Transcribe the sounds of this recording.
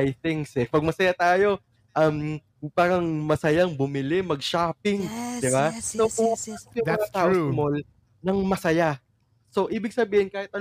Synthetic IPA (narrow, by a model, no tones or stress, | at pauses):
jθɪŋsɛpɐɡ̚mɐsɐjat̪aːjo̞ | ʔɐm | paːɾɐŋmɐsɐjaŋbʊmɪlɪmɐɡ̚ʃaːpɪŋd̪ɪbanoʔoɐpɐpjoɐŋɐt̪aʔosmol | nɐŋmɐsɐja | so̞ʔiːbɪɡ̚sɐbiːhɪnkaːhɪt̪̚ɐ